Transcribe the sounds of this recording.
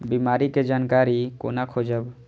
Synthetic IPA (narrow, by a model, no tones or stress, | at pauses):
biːmaːɾiked͡ʒaːnkaːɾiko̰ːnakʰod͡ʒəb